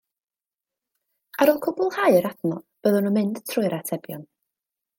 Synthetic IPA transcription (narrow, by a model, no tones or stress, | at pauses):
aɾɔlˠkʰʊbʊlˠhaɨɾadnɔb̥əðɔnumɪnd̥tʰrʊɨɾatʰɛbjɔn